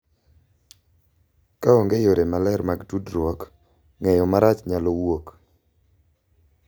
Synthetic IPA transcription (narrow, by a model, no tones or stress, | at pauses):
kaoŋɡejoɾemalɛɾmaɡtudɾwɔk | ŋɛjɔmaɾat͡ʃɲalɔwok